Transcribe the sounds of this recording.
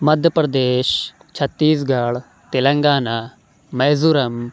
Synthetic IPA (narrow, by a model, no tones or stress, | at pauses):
mɐd̪ʱjəpɾɐd̪eːʃ | t͡ʃʰɐt̪ːiːs̬ɡaːɭ | t̪ɪlə̃ŋɡaːnaː | mɛːzuɾɐm